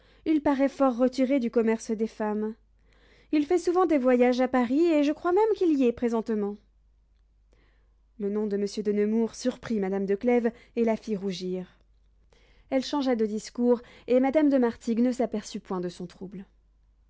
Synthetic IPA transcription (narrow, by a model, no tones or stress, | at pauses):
ilpaʁɛfɔʁːət̪iʁed̪ykɔmɛʁsd̪efam | ilfɛsuvɑ̃d̪evwajaʒapaʁieʒəkχwamɛmkʲiliɛpχezɑ̃t̪mɑ̃ | lənɔ̃d̪əməsjød̪ənəmuʁsyʁpχimad̪amd̪əklɛvelafiʁuʒiʁ | ɛlʃɑ̃ʒad̪əd̪iskuʁemad̪amd̪əmaʁt̪iɡnəsapɛʁsypwɛ̃d̪əsɔ̃t̪χubl